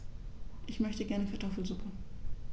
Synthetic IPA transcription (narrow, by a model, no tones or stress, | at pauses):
ʔɪçmœçtəɡɛɐnəkʰaɐtʰɔfl̩zʊpʰə